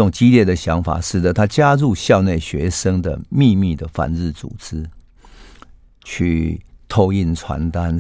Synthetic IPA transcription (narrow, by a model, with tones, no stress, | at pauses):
ʊ˨˩ŋt͡ɕi˦ljɛ˥˩d̪ə˨ɕja˧˥ŋfa̰˨˩ʂɻ̩˨˩d̪ə˦t̪ʰa˦t͡ɕja˦ɻu˥˧ɕjɑ˥˧ʊne˥˨ɪɕɥɛ˧˦ʂə˥ŋd̪ə̰˨mi˥˧mi˥˨d̪ə˩fa̰˨˦nɻ̩˥˩t͡sṵ˨˩t͡sɹ̩˦ | t͡ɕʰy˥˨t̪ʰo˥˧ʊi˥˨nʈ͡ʂʰwa̰˧˦nt̪a˦n